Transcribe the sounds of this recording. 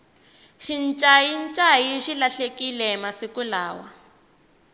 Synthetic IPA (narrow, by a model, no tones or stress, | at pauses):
ʃint͡ʃʼajint͡ʃʼajiʃilaɬekilɛmasikulaːwa̰